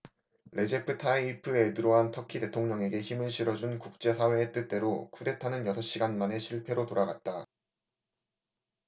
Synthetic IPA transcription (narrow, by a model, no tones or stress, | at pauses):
ɾʔe̞d͡ʑe̞pʰɯtʰaipʰɯedɯɾoɦantʰʌkʰite̞tʰoŋɲʌŋe̞ɡe̞çimɯɭɕʰiɾʌd͡ʑunkuk̚t͡ɕ͈e̞sʰawe̞ːt͈ɯt͈e̞ɾokʰude̞tʰanɯnjʌsʰʌɕ͈iɡanmane̞ɕʰiɭpʰe̞ɾotoɾaɡat̚t͈a